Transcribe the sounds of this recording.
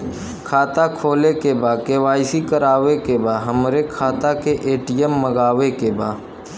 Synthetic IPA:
kʰaːt̪akʰoːlekebaːkeʋaːɪsikəɾaːwekebaːɦəmɾekʰaːt̪akeʔeːʈijɛmːəɡaːʋekebaː

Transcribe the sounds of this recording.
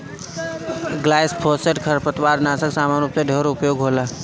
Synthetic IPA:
ɡlaːjspʰoːseʈkʰəɾpət̪waːɾnaːsəksaːmaːnupseɖʱeɾʊpjoːɡɦoːlaː

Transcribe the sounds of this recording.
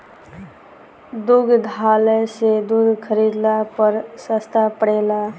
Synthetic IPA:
d̪uɡd̪ʱaːlesed̪uɡ̪kʰəɾid̪lapəɾsəst̪ʰapəɽeːla

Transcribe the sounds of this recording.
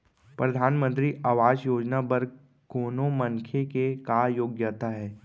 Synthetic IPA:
pɾɐd̪ʱaːnmə̃nt̪ɾiʔaːʋaːd͡ʒjoːd͡ʒnabɐɾɡ̚ | koːnõməŋkʰekekajoːɡjat̪aɦɛː

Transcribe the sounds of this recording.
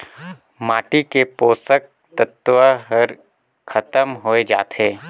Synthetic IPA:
maːʈikepoːsək̚ | t̪ət̪ʋəɦəɾ | kʰɐt̪əmɦoːed͡ʒa̰ːt̪ɦeː

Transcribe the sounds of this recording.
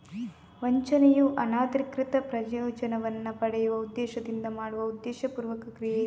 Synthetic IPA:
ʋɐɲt͡ʃɐnejuʔɐnaːt̪ɾikɾit̪ɐpɾɐd͡ʒjoːt͡ʃɐnɐʋɐnːɐpɐɽɛjuʋɐud̪ːɛːʃɐd̪ind̪ɐmaːɽuʋɐud̪ːɛːʃɐpuːɾʋɐkɐkɾije

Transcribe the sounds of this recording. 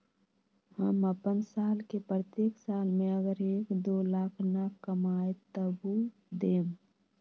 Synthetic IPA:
həməpənsaːlkepɾət̪eːksaːlmẽəɡəɾeːkd̪oːlaːkʰnakːəmaːet̪əbu | d̪eːm

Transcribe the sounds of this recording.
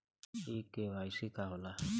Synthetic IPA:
ikewaisikaɦʊla

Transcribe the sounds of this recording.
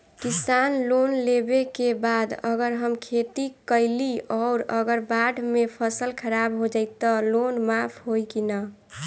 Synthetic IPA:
kisanlonlebekebad̪əɡəɾɦəmkʰet̪ikəɪliɔːɾəɡəɾbaɖmepʰəsəlkʰəɾabɦod͡ʒaɪt̪ːɔlonmapʰɦojkinə

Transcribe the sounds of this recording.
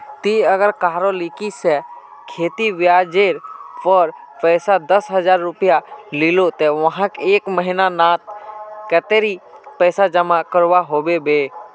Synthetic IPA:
t̪iəɡəɾkaːɾolikisɛ | kʰeːt̪iʋjad͡ʒeːɾpəɾ | pɛːsad̪əsɦəd͡ʒaːɾːʊpɪjalilot̪ɛʋəɦãkeːkməɦinanaːt̪̚kət̪eɾipɛːsad͡ʒəmakəɾʋaɦoːbebe

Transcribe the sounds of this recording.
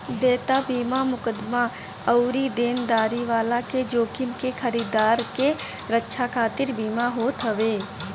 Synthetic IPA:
d̪eːt̪abiːmamʊkəd̪ma | ɐʊɾid̪eːnd̪aːɾiʋaːlaked͡ʒoːkɪmkexəɾiːd̪aːɾke | ɾətːʃʰakʰaːt̪ɪɾbiːmaɦoːt̪ɦɐʋeː

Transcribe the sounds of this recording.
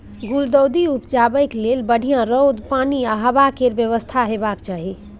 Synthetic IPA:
ɡuld̪əwd̪iupd͡ʒabəjklelbəɽ̤ʱijãɾəwd̪paniaɦəbakeɾbjəʋəst̪ʰaɦebakt͡ʃaɦi

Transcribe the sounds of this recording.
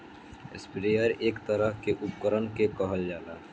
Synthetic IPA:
ḛspiɾeːəɾeːkt̪əɾəɦkeʔupkəɾənkekɔɦəld͡ʒaːla

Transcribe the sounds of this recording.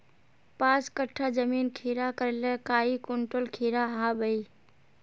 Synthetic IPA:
pãskəʈʰːad͡ʒəminkʰiɾakəɾlɛkaːikoɳʈolkʰiɾaɦãbəi

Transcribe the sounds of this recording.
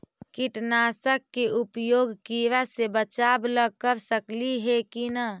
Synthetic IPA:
kiʈnasəkːeupjoɡkiʋasebət͡ʃabləkəɾsəkliɦekinə

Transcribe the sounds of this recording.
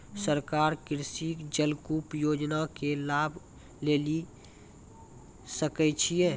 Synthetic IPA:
səɾkaːɾkɪɾsikd͡ʒəlkupjoːd͡ʒnakelaːbʱ | leːli | səkɛt͡ʃʰijeː

